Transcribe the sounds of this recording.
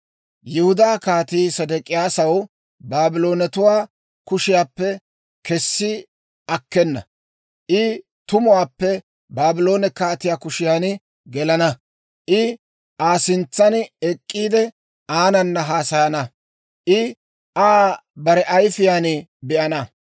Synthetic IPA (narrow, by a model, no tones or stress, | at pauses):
jɪhʊd̪aːkaːt̪iːsɐd̪ɛkʼɪjaːsɐw | baːbɪlo̞ːnɛt̪ʊwaː | kʊʃɪjaːpːɛ | kɛsːɪ | ʔɐkːɛnːɐ̰ | ʔɪ | t̪ʊmʊwaːpːɛ | baːbɪlo̞ːnɛkaːt̪ɪjaːkʊʃɪjaːnɪ | ɡɛlɐnɐ | ʔɪ | ʔaːsɪnt͡sːɐnɛkʼːiːd̪ɛ | ʔaːnɐnːɐɦaːsɐjɐnɐ | ʔɪ | ʔaːbɐɾɛʔɐjfɪjaːnɪbɛʔɐnɐ